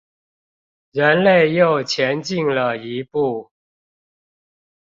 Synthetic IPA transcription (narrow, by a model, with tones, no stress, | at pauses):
ɻə˨˧˦nle˥˨ɪjo˥˨ʊt͡ɕʰjɛ˧˦nt͡ɕi˥˨ŋlə˨i˧˦pu˥˩